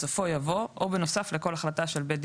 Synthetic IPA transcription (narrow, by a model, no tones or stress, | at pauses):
safo̞javo̞ʔobeno̞safleko̞laχlat̪aʃe̞lbed̪